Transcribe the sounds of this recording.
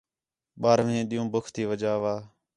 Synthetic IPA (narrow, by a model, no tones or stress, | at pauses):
ɓaːɾʋẽːɗijũːbʊkʰt̪iːʋəd͡ʒaːʋaː